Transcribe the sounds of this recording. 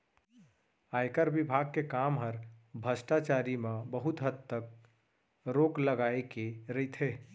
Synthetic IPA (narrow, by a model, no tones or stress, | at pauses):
ajkəɾbibʱaɡ̚kekamɦəɾbʱəsʈat͡ʃaɾimebəɦut̪ɦət̪ːək̚ | ɾokləɡaekeɾəjt̪ʰe